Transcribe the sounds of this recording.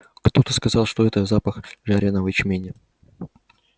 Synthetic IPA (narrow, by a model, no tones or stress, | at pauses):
kt̪o̞t̪əskɐzɑlˠʂt̪oɛt̪əzapəxʐaɾʲenəvət͡ɕmʲenʲɪ